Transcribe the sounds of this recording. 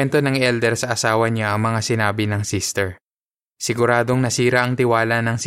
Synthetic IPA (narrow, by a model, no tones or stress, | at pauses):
ɛnt̪o̞nɐŋʔɛld̪ɛɾsɐʔɐsaːwɐɲaʔɐŋmɐŋasɪnaːbɪnɐŋsist̪ɛɹ | sɪɡʊɾaːd̪o̞ŋnɐsiːɾɐʔɐŋt̪ɪwaːlɐnɐŋs